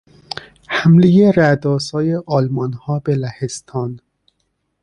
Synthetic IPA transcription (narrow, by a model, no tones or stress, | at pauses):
hæmlejeɾæd̪ɒːsɒːjeʔɒːlmɒnhɒːbelæhest̪ʰɒːn